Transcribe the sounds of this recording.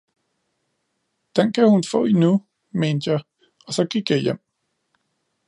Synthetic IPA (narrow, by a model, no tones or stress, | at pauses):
d̥enkʰæhunfɔ̰̽ːinu | meːnd̥jɑ̈ɪ | ɒ̽sɒ̽ɡ̥iɡ̥jɑ̈jem̰